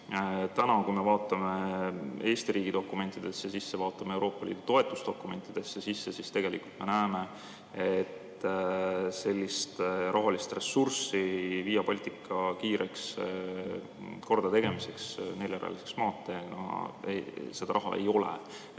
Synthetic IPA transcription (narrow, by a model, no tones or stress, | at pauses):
t̪ænɑkujme̞vɑːt̪ːˑɑme̞e̞ːst̪iɾiːɡ̥id̪o̞kːˑume̞nt̪ːˑid̪̥e̞sːjɑsisːevɑːt̪ːˑɑmeewɾʔo̞ːpːˑɑlḭːd̪̥ut̪o̞e̞t̪ːˑust̪o̞kːˑume̞nt̪ːˑid̪̥e̞sːjesisːesist̪e̞ɡ̥e̞lḭkult̪me̞næːme̞ | et̪ː | se̞lʲːist̪ʔɑɦɑlist̪re̞sursiviːjɑpolʲt̪ikːˑɑkiːɾeks | ko̞rd̪̥ɑt̪e̞ɡ̥e̞mise̞ksneljeɾʔɑ̰liseksmɑːt̪ːˑenɑ̰ḛse̞d̪̥ɑɾʔɑɦɑ̰ḛjo̞lḛ